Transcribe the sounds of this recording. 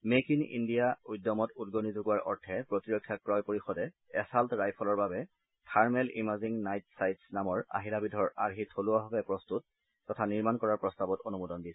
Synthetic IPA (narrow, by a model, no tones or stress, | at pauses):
mekinḭndijaujdːɔmɔtudɡonizoɡuwaɹʔɔ̰ɹtʰɛpɹotiɹɔkʰːjakɹɔjpoɹixɔdɛ | ɛsaltɔɹajpʰɔlɔɹbabɛ | tʰaɹmɛlḭmaziŋnajtsajtsnamɔɹa̰ɦilabidʱɔɹaɹɦitʰoluwaɦɔbɛpɹɔstut̚ː | ɔtʰaniɹmankɔɹaɹpɹɔstabɔtonumudɔndisɛ̥